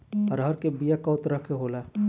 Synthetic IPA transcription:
əɾɦəɾkebijakɐːʊt̪ɾəkʰeɦoːlaː

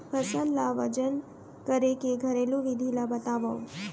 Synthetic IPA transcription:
pʰəsənlaʋəd͡ʒən | kəɾekeɡʱəɾelũʋid̪ʱilabət̪aʋə̃

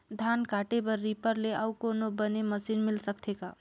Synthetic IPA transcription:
d̪ʱankaʈebəɾːipəɾleʔaukonobəneməsinmilsəkt̪ʰeka

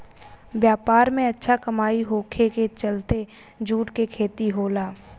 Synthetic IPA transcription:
bjaːpaːɾmẽɐtːʃʰakɐmaːiɦoːkʰeket͡ʃəlt̪e | d͡ʒʱuːʈkekʰeːt̪iɦoːlaː

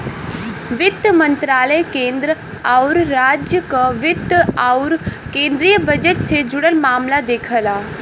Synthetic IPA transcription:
ʋɪt̪mə̃nt̪ɾaːləjkẽːnd̪ɾə | aʊɾːaːd͡ʒjəkaʋɪt̪aʊɾkẽːnd̪ɾijəbəd͡ʒət̪̚t͡ʃʰed͡ʒʊɽəɾmaːmlad̪eːkʰəlaː

